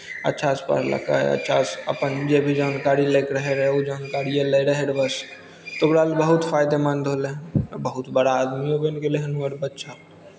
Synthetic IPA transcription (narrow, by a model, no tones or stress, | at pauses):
ə̰tːʃʰaspa̰ɾlə̰ka̰ḛɐ̰tːʃʰa̰sə̰pənd͡ʒebʱid͡ʒaːnkaːɾileːkɾəɦeɾɦod͡ʒaːnkaːɾieleɾəɦeɾbəs | t̪oɡɾaːlbəɦʊt̪fʰaːɪd̪emə̃nd̪ɦoːlẽbəɦʊt̪bəɽaaːd̪miɦobeɪnkeleɦɐnuəɾbətːʃʰa